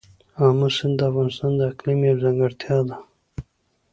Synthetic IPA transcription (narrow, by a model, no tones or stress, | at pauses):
amasɪnd̪d̪əafɣɑnɪst̪ɑnd̪əaqlimawzaŋɡaɽt̪jɑd̪a